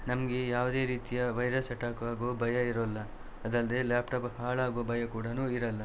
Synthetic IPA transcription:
nɐmɐɡe̞jaːʋd̪e̞ːɾiːt̪ijɐʋɐjɾɐsɐʈaːkʋaːɡobɐjɐiɾɐlːɐ | ɐd̪ɐld̪e̞ːlaːpʈaːphaːɭaːɡoʋobɐjɐkuːɽɐnuːiɾɐlːɐ

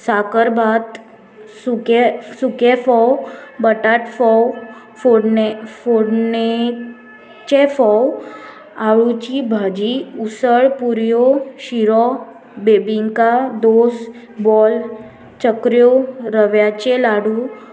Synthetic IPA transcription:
sakəɾbʱat̪ | sukesukefɔwbəʈaʈfɔw | foɽfoɽne | t͡ɕefɔw | aɭũt͡ɕibʱad͡ʑiusəɭpuɾjoɕiɾɔ | bebiŋkad̪os | bɔl | t͡ɕəkɾjoɾəʋjat͡ɕelaɽũ

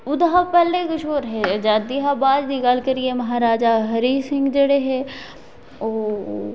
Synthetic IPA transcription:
ʊd̪ɦapɛːlekʊʃoːɾɦɛd͡ʒaːd̪iɦabaːd͡ʒd̪iɡal̤kɐɾiemɐɦaːɾaːd͡ʒaɦɐɾiːsɪ̃ŋɡd͡ʒeɽeɦe | oː

